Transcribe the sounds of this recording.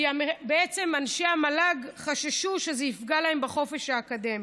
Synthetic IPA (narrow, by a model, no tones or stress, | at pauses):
iamebeet͡se̞manʃeamalaɡχaʃaʃuʃezeifɡalaembaχo̞fe̞ʃhaːkad̪e̞mi